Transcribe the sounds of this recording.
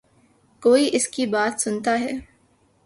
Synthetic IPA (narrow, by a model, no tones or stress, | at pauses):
koːiʔɪskibaːt̪sʊnt̪aɦɛː